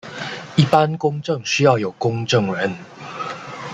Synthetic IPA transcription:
i˥˩pa˦nkʊ˥ŋʈ͡ʂɤ˥˨ŋɕy˥jɑ˥˩ʊjo˨˩ʊkʊ˦˥ŋʈ͡ʂɤ˥˩ŋɻə˨˦n

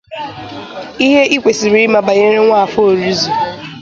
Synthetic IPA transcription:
i˦ɦe˦ʔi˦kʷe˨si˨ɾi˦ma˨ba˨ɲe˦ɾe˦ŋʷa˦a˨fo˦o˨ɾi˦zu˨

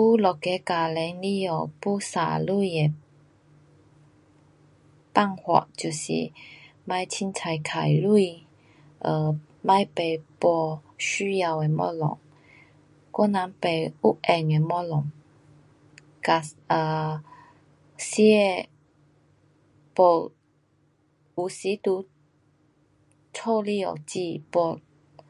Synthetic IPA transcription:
pu˦lɔ˨ke˨˧˦ka˨˩lɛ˨˦ŋli˦˥jɔ˧˩pu˦sa̰˨˩lu˥˧˨je˨ | pa˥˧ŋhwɔ̰˨ʔt͡ɕu˨˩sḭ˨ma˧˦jt͡sʰi˦˥nt͡sʰa˧jkʰa˨˩jlu˥˧ | ʔə˧ | ma˧jpe˨˩jpɔ˧ | ɕy˦ja˧we˨˩mɔ̰˦˥lɔ̰˨ŋ | kɔ˥˦nã˧˦ŋpe˨˩ju˦˥ʔɛ˧˩ŋe˧mɔ˦lɔ˨˩ŋ | ka˧sə˧ | si˧˦e˧ | po˧˩ | u˨si˨˦t̪u˧˦ | t͡sʰɔ˥˧li˥˧˨o̰˨˩t͡ɕi˥˧pɔ˧

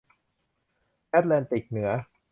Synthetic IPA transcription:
ʔɛː˦˥t̪̚lɛː˧nt̪i˨˩k̚nɯ˩˦ɐ

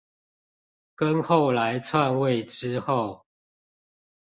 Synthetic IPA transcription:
kə˦nxo˥˨ʊla˨˦ɪt͡sʰwa˥˨nwe˥˨ɪʈ͡ʂɻ̩˦xo˥˨ʊ

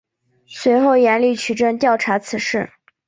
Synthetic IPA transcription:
swe˧˥ɪxo˥˩ʊjɛ˧˥nli˥˩t͡ɕʰy˨˩ʈ͡ʂə˥˧ŋt̪jɑ˥˩ʊʈ͡ʂʰa˧˥t͡sʰɹ̩˨˧˥ʂɻ̩˥˩

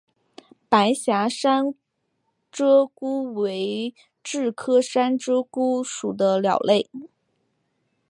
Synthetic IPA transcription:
pa˧˥ɪɕja˧˥ʂa˥n | ʈ͡ʂɤ˥ku˥we˧˥ɪ | ʈ͡ʂɻ̩˥˩kʰɤ˥ʂa˥nʈ͡ʂɤ˥ku˥ʂu˨˩d̪ə˦ljɑ̰˨˩ʊle˥˩ɪ

